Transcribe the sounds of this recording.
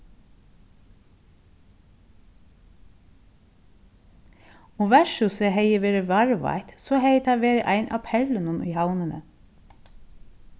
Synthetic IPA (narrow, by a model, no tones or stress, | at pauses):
oːʋæʃʉsəheɪəʋeːɾəʋɑɹʋɑ̰ɪt̪soːheɪt̪ʰɑʋeːɾəʔæɪnʔɑ̰ːpʰɛlənʊnʔḭːhɑwnənə